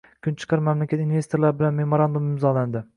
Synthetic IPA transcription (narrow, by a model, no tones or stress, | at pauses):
kʰʊnt͡ʃʰɨ̥qʰɑɾmamlakʲat̪inve̞st̪oɾlaɾɪbɪlanme̞moɾand̪umɪmzɒland̪ɪ